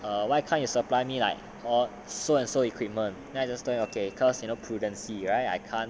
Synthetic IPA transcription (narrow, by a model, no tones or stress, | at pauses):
ʌwajkʰãnjusəplajmila̰ɪk̚ | ɔ | soɛ̃nsoikʰwip̚mə̃n | ɛ̃ad͡ʒastolɪ̃ŋokʰekʰɔsjunopʰɹudə̃nsiɹaɪt̚a̰jkʰãn